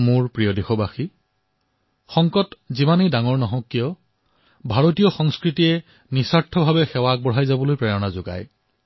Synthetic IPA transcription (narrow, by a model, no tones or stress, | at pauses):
mʊɹpɹijɔdexɔbaxi | xɔŋkɔtzimanedaŋɔɹnɔɦɔ̃kːijɔ | bʱaɹotijɔxɔŋskɹitijɛ | nisaɹtʰɔbʱabɛxɛwak̚bɔɹɦajzabɔlojpɹɛjɔnazʊɡa̰j